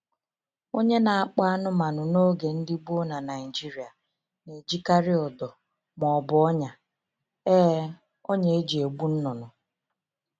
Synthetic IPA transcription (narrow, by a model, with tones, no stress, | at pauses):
o˦ɲe˦na˨a˨k͡pa˦nʊ˦ma˨nʊ˨no˦ɡe˨n̩˦dɪ˦bo˦na˨na˨ɪ˨d͡ʒi˦ɾi˨a˨ | ne˨d͡ʒi˦ka˦ɾɪ˦ɔ˨dɔ˨ | mɔ˨bʊ˨ɔ˦ɲa˨ | ɛː˦ | o˦ɲe˨e˦d͡ʒi˨e˨ɡ͡bu˦n̩˦nɔ˨nʊ˨